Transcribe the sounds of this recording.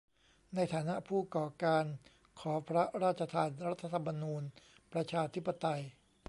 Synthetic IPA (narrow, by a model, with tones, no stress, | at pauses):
na˧jt̪ʰaː˩˦na˦˥ʔpʰuː˥˩kɔː˨˩kaː˧n | kʰɔː˩˦pʰɾa˦˥ɾaː˥˩t̪̚t͡ɕʰa˧t̪ʰaː˧nɾa˦˥t̪ʰːa˧t̪ʰa˧mːa˧nuː˧n | pɾa˧t͡ɕʰaː˧t̪ʰi˦˥pːa˧t̪a˧j